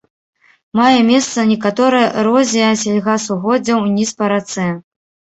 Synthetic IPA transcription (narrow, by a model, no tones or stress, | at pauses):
majɛmʲɛst̪sɐnʲɛkat̪ɔɾɐjɐɾɔzʲijɐsʲalʲɣasuɣɔd͡zʲɐwnʲispɐɾat̪sɛ